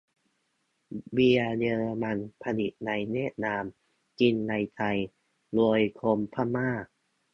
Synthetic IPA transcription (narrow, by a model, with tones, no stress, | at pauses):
wi˧jɤː˧ma˧npʰa˧ni˨˩t̪̚na˧jnɛ˥˩t̪̚naː˧m | ki˧nːa˧jt̪ʰa˧j | lu˧əjkʰo˧mpʰa˥maː˥˩